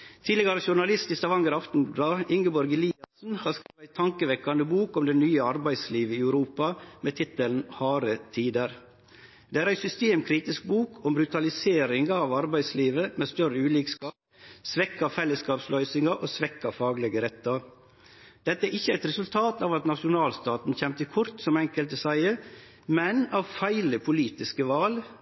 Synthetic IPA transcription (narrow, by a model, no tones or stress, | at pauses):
t̪ʰiːd̪lɪɡɑɾəʃʊɳɑlɪst̪ist̪ɑʋɑŋɡəɾɑft̪n̩blɑːɪŋɡəbɔɾɡɪliːɑsn̩hɑːɾskɾeːʋæɪt̪ʰɑŋkəʋɛkːɑnd̪əbuːkɔmd̪ɛnyːəɑɾbæɪsliːʋəiːæʉɾuːpɑmeːt̪ʰɪt̪ːəln̩hɑːɾət̪ʰiːd̪əɾ | d̪̥ɛːæːɾæɪsʏst̪eːmkʰɾiːt̪ɪsk̚buːkʰɔmbɾʉt̪ɑlɪseːɾɪŋɑːʋɑɾbæɪsliːʋəmeːst̪œɾəʉːliːkskɑːp̚ | sʋɛkːɑfɛlːəskɑːpslœʏsɪŋɑɾʔoːsʋɛkːɑfɑːɡlɛɡəɾɛt̪ːɑɾ | d̪̥ɛt̪ːəæɾɪçːəæɪt̪ɾɛsʉlt̪ʰɑːt̪ɑːʋɑt̪nɑʂʊnɑːlst̪ɑːt̪n̩çɛmt̪əkʰʊɾt̪sɔmɛŋkəlt̪əsæɪə | mɛnɑʋfæɪləpʰʊliːt̪ɪskəʋɑːl